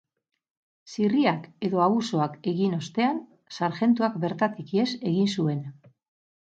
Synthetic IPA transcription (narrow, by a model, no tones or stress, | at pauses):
siriake̞ðo̞aɣuso̞ake̞ɣino̞st̪e̞an | saɾxe̞nt̪uakbe̞ɾt̪at̪ikie̞se̞ɣinsue̞n